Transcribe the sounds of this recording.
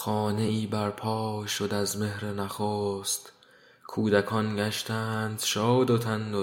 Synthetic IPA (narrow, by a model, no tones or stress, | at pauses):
xɒːne̞ʔiːbæɾpʰɒːʃod̪æzme̞hɾe̞næxoːst̪ | kʰuːd̪ækʰɒːnɡæʃt̪æːnd̪̥ʃɒːd̪ot̪ʰænd̪o